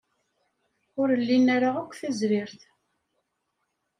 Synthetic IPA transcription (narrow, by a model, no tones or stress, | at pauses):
ʊɾəlːinaɾaʁækʷːθæzɾɪɾθ